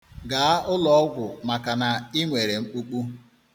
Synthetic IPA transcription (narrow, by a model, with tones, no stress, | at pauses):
ɡa˨a˦ʊ˦lɔ˦ɔ˦ɡʷʊ˨ma˨ka˨na˨i˦ŋʷe˨ɾe˨ŋ͡m̩˦k͡pu˦k͡pu˦